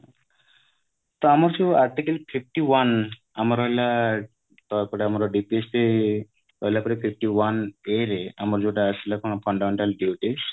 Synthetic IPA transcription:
t̪ɔamɔɾt͡ʃuaɾʈikəlpʰif̚ʰʈiwan | amɔɾɔjla | t̪ɔjpɔɽeamɔɾɔɖipieste | ɔjlapɔɾepʰip̚ʰʈiwaneɾea̰mɔɾd͡ʒoʈaəsilakɔñɔpʰɔɳɖameɳʈalɖiʈis

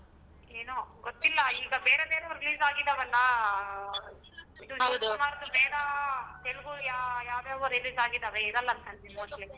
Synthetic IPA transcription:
eːnoɡot̪ːilːɐiːɡɐbeːɾebeːɾɐɾiliːzaːɡid̪ːɐʋɐlːɐ | id̪uɐd̪umaːɾd̪ubeːɾɐt̪eluɡujajaːwd̪eːʋɐɾiliːzaːɡid̪ɐʋeeːd̪ɐlːɐːnt̪ɐnd̪imoːdli

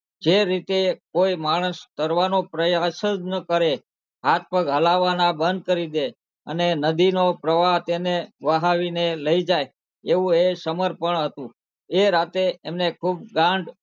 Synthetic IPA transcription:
d͡ʒeɾit̪ekoimaɽ̃əst̪əɾʋanopɾəjasəd͡ʒnəkəɾe | ɦat̪̚ʰpəɡɦəlaʋanabənd̪̚kəɾid̪e | ə̰nenəd̪inopɾəʋat̪eneʋəɦaʋineləid͡ʒaj | eʋũesəməɾpəɳɦət̪ũ | eɾat̪eːmnekʰub̚ɡãɳɖ

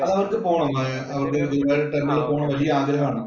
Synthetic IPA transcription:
ɐðɐʋɐrkɨpoːɳɐmːɐ | ɐʋɐrkek̪ːibaːɾeʈɐnːɐlepoːɳɐmʋɐlijɐaːɡɾɐɦɐmaːɳɨ

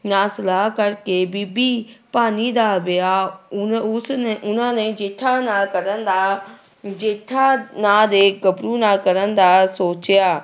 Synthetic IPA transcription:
naːsɪlakɐɾkebibipaːnid̪abɪja | ʊsʊnãnẽd͡ʒeːʈʰanakɐɾənd̪a | d͡ʒeːʈʰanaːd̪eːkɐbɾunaːkɐɾən̆d̪asoːt͡ɕjaː

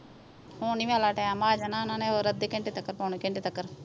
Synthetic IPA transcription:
huːniːaːlaːʈejãːmaːd͡ʒanãːnãːneoːɾəd̪ekɪɳʈet̪əkːəɾpoːnikɪɳʈeːt̪əkːəɾ

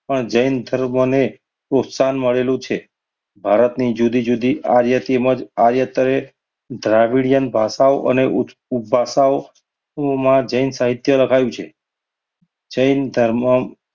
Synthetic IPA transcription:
pəɳd͡ʒəjnd̪ʱəɾməne | pɾot̪sanməɭelũt͡ʃʰe | bʱaɾət̪nid͡ʒud̪id͡ʒud̪iaɾjət̪eməd͡ʒaɾjət̪əɾe | d̪ʱɾaʋiɽijənbʱasaoʔəne | ubʱːasao | mãd͡ʒəjnsaɦit̪jələkʰajũt͡ʃʰe | d͡ʒəjnd̪ʱəɾmə

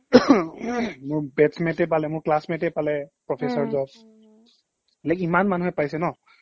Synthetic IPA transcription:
mʊɹbɛtsmɛ̃tɛp̬alɛmʊɹklasmɛ̃ntɛpalɛpɹɔpʰesɔɹzɔb | lɛkimanmanuɦɛpajsɛnɔ

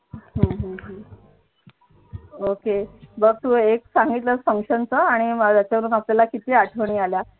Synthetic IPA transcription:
ɦə̃ɦə̃ɦə̃ | okebəɡ̚t̪uːeksãŋɡit̪ləsfəŋkʂənt͡səaɽ̃imd̪jat͡ɕjaʋəɾuːnapljalakit̪iːaʈʰəʋɳiːalja

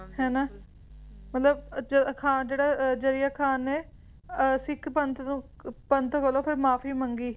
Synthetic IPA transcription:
hɛːnaː | mət̪ləbd͡ʒkʰaːnd͡ʒeːɽaːd͡ʒəɾɪjaːkʰaːneː | sɪkʰpənt̪ | pənt̪oːkəloːpʰɪɾmaːpʰiːməŋɡiː

